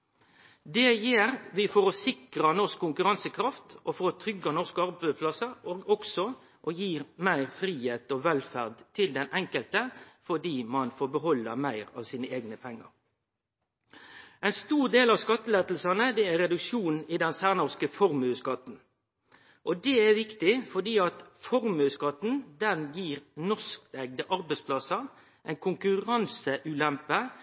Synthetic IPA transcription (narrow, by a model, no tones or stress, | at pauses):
d̪ɛjiːɾʋɪfɔɾɔsɪkɾənɔʁskʰːʊŋkʉʁɑnsəkʰɾɑft̪ɔfɔɾɔt̪ʰɾʏɡɑnɔʁskɑʁbæpʰlɑsəoːɡɔksɔ | ʔɔjiːmæɪʁfɾiːheːt̪oʋɛlfæʁd̪t̪ʰɪld̪ɛnʔɛŋkəlt̪əfɔd̪iːmɑnfoːɾbəɦɔlːɑ̰mæɪʁɑ̰ːʋsiːnəeːɡnəpʰɛŋːə̰ɾ | æɪnst̪uːʁd̪eːlɑʋskɑt̪ːəleːt̪l̩sɑnəd̪ɛæɾʁɾɛd̪ʉkʃuːnn̩ɪd̪ɛnsæːʁnɔʁskəfɔɾmʉːskɑt̪n̩ | ʔɔd̪ɛæʋɪkt̪ɪfɔd̪iːɑt̪fɔʁmʉːskɑt̪n̩d̪ɛnjiːʁnɔskt̪ɛɡ̚d̪əʔɑɾbɛɪspʰlɑsɑ | ʔæɪnkʰʊŋkʉʁɑnsəʔʉːlɛmpə